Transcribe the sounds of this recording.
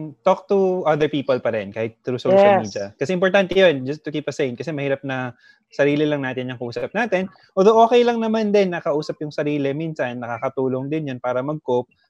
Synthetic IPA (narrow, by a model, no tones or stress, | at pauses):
t̪ok̚t̪uʔɐd̪ɛɹpiːpɐlpɐɾɛnkaːhɪt̪̚t̪ɾʊsowʃɐliːd̪jɐkɐsɛʔɪmpoɾt̪ant̪ɛjond͡ʒɐst̪ːʊkiːpɐsejnkɐsɛmɐhiːɾɐp̚nɐ | sɐɾiːlɪlɐŋnaːt̪ɪnjɐŋkɐʔuːsɐp̚naːt̪ɛn | ʔoːd̪oʔo̞ːkɛjlɐŋnɐmand̪ɛnːɐkɐʔuːsɐpjʊŋsɐɾiːlɪmiːnsɐnːɐkaːkɐt̪uːlo̞ŋd̪ɪnjɐnpaːɾɐmɐɡ̚kop̚